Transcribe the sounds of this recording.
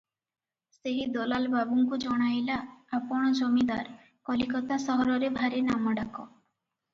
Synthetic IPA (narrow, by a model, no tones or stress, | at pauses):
seɦid̪ɔlalbabuŋkud͡ʒɔɽ̃ajlaːpɔɽ̃ɔd͡ʒɔmid̪aɾ | kɔlikɔt̪asɔɦɔɾɔɾebʱaɾenamɔɖakɔ